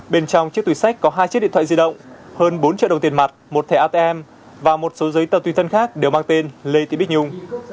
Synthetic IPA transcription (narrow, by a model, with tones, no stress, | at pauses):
ɓe˧nt͡ɕɔ˧wŋ͡mt͡ɕɨ˦˥k̚t̪i˨˩sa˦˥k̟̚kɔ˨˦ɦaː˧jt͡ɕt̚ɗḭ˧˨t̪ʰa̰ː˧˨zi˧ɗə̰˧˨wŋ͡mhəː˧nɓo˨˦nt͡ɕḭ˧˨ɗə˨˩ŋ͡mt̪i˨˩ənma˨˩t̚mo˨˩t̚t̪ʰɛ˧˩ʔaː˧t̪e˧ʔɛ˧m | vaː˨˩mo˨˩t̚so˨˦zəː˨˦jt̪ə˨˩wt̪wi˧˩t̪ʰə˧nxaː˦˥k̚ɗe˨˩wmaː˧ŋt̪e˧nle˧t̪i˧˩˨ɓi˦˥k̚ɲʊ˧ŋ͡m